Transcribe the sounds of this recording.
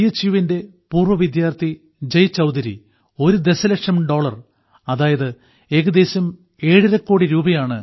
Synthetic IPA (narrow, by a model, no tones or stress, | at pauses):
jɐt͡ɕːiʋinde̞ | puːrʋɐʋid̪jaːrt̪ʰi | d͡ʑɐjt͡ɕɐwd̪ɐɾḭ | o̞ɾud̪e̞sɐlɐkʂɐmɖo̞ːɭɐr | ɐðaːjɐðɨ | e̞ːɣɐd̪e̞ːsɐm | e̞ːɻiɾɐkːoːɽiɾuːbɐjaːɳɨ